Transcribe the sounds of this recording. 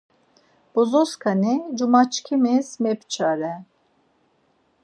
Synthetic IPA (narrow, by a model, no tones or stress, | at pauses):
b̥ɔzɔskʰanid͡ʒumat͡ʃkʰimɛsmɛpt͡ʃʰaɾɛ